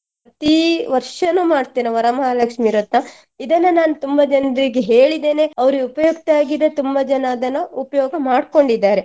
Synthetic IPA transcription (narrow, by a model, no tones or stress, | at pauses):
ɾɐt̪iʋɐɾʂɐnːuːmaːɽt̪eːnɐʋɐɾɐmalɐkʂmiɾɐt̪nɐ | id̪ɐnːɐnaːnut̪umbɐd͡ʒɐnɐɾiɡeɦe̞ːɭid̪e̞ːne̞ɐʋɐɾuɡeupɐjukt̪aːɡid̪ɐt̪umbɐd͡ʒɐnaːd̪ɐnːɐupɐjɔːɡɐmaːɖko̞ɳɖid̪ːaːɾe̞